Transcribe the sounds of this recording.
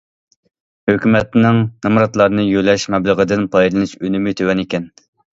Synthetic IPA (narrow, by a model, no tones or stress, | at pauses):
høkʲymɛt̪nɪŋnɨmɾɑt̪lˠɑɾnɨjølɛʃmɛblˠəʁəd̪ɨnpʰɑjd̪lˠɨnɨʃønymɪt̪ʰøwɛnikʲɛn